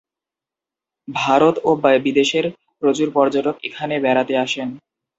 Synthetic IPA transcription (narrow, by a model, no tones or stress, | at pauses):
bʱaɾot̪obabid̪eʃeɾ | pɾot͡ɕuɾpɔɾd͡ʑaʈokḛkʰanebɛɾat̪eaʃen